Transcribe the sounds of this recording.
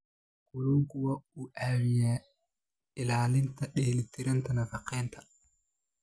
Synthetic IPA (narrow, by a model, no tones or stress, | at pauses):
kuluŋkuwauʔawijaː | ɪlaːlɪntɐɗeːlit̪iɾɛntɐnɐfɐqɛntʰḁ